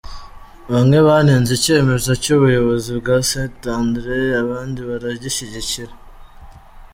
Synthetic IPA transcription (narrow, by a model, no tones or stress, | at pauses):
βamŋe̞βaneːnzice̞ːmeɾzacuβujo̞βo̞zibɡasetandɾeaβaːndiβaɾaɟiʃiɟiciɾa